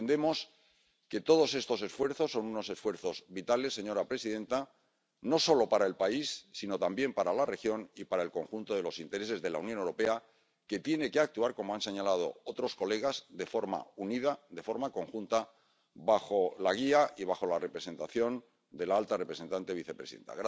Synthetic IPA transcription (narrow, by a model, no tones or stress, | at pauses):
end̪e̞mos | ke̞t̪o̞ð̞o̞se̞st̪o̞se̞sfwe̞ɾθo̞sːo̞nuno̞se̞sfwe̞ɾθo̞zβit̪ale̞sːe̞ɲo̞ɾapɾe̞siðe̞nt̪a | no̞so̞lo̞paɾae̞lpaisːino̞t̪ambje̞mpaɾalare̞xjo̞nipaɾaelko̞ŋxunt̪o̞ðe̞lo̞sint̪e̞ɾe̞s̬e̞zðe̞launjonewɾo̞pe̞a | ke̞t̪je̞ne̞ke̞ak̚t̪uaɾko̞mo̞anse̞ɲalað̞o̞̰ot̪ɾo̞sko̞le̞ɣ̞azðe̞fo̞ɾma̰uniðad̪e̞fo̞ɾmako̞ŋxunt̪a | βaxo̞laɣ̞iaʔiβ̞axo̞lare̞pɾese̞nt̪aθjo̞n | d̪e̞laalt̪arepɾese̞nt̪ant̪e̞βiθe̞pɾesiðḛnt̪a̰ɣɾ